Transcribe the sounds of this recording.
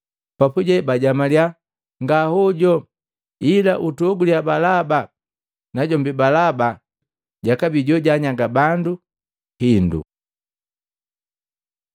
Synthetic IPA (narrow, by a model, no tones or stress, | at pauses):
papuɟɛbaɟamalja | ŋɡahuɟɔ | ilaʔutɔɡuliabalaba | naɟɔmbibalaba | ɟakabiɟɔɟaɲaŋɡabandu | hindṵ